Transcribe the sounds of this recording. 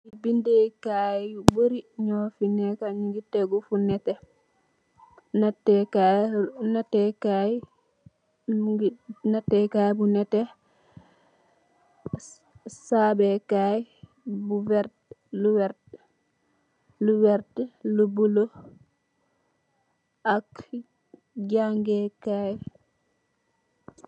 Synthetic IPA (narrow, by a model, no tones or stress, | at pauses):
ibindɛkajuboɾiɲɔfinɛkaɲiŋɡitɛɡufunɛtɛ | natːɛkanatːɛkaj | natːɛkajbunɛtɛ | saːbɛkaj | buwɛɾ | luwɛ | luwɛɾtlubulo | ak | ɟaŋɡɛkaj